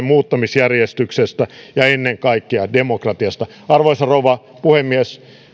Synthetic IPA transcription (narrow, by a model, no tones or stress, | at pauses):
mmuːt̪ːɑmisjærjest̪yksest̪æjɑenːeŋkɑikːeɑdemokrɑt̪iɑst̪ɑ | ɑrʋoisɑrouʋɑ | puhemːies